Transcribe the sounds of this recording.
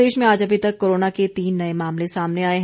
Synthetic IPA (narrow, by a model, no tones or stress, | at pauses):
eːʃmẽaːd͡ʒɐbʱit̪ɐkːoːɾoːnaket̪iːnːɐemaːmlesaːmneaːeɦ